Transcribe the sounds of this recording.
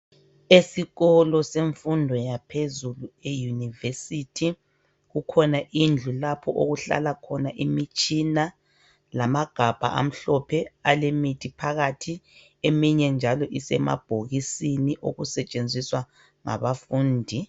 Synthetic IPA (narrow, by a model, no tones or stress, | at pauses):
esiɣɔlɔseɱfundʱɔjapʰezuluejunivesitʰi | ɣukʰɔnaʔind͡ɮʱulapʰɔʔoɣuɬa̰lakʰɔnaʔimit͡ʃʼina | lamaɡ̥ʱab̥ʱa̰ʔa̰m̩ɬɔpʰɛalemitʰipʰaɣatʰi | emiɲɛnd͡ʒʱalɔʔisɛ̰ma̰b̥ʱoɣisiniʔoɣusɛt͡ʃʼend͡zʱiswa | ŋa̰βafuːndʱi